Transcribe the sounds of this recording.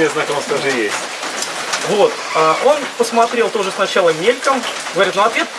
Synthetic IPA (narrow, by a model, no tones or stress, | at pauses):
ɛznajk̪ɐosk̪ɐʐɨjesʲtʲ | vot̪ | aʔo̞npəsmɐt̪ɾʲelˠt̪o̞ʐəsnɐt͡ɕalˠəmʲelʲkəm | ɡəvɐɾʲit̪noɐt̪vʲet̪